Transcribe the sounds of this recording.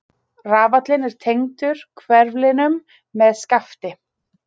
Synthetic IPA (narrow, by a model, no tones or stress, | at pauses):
raːvat̪lɪnɛɾ̥t̪ʰejŋt̪ʏɾ̥kʰvɛɾvlɪnʏmː | ɛðskaft̪ɪ